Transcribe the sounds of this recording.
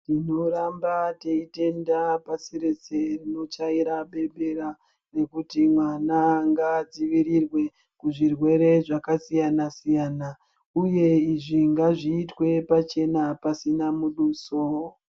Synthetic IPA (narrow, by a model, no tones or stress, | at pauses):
tino̞ɾambateite̞ndapasiɾet͡serino̞t͡ʃaiɾaɓe̞ɓeɾa | re̞kutimwanaŋɡad͡ziʋiɾirwe̞ | kuʐirwe̞ɾe̞ʐakasijanasijana | uje̞iʐiŋɡaʐiːtwe̞pat͡ʃe̞napasinamuɗuːso